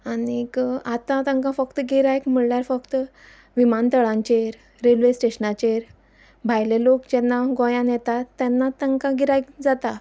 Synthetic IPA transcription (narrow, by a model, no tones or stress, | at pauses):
anikat̪ãt̪ə̃ŋkãfəkt̪əɡiɾajkm̤əɭɳjaɾfəkt̪ə | ʋimant̪əɭãɲt͡ɕeɾ | ɾelʋesʈeɕənat͡ɕeɾ | bʱajlelokd͡ʑɛnːaɡɔ̃jãnjɛt̪at̪ːɛnːat̪əŋkãɡiɾajk̚d͡zat̪a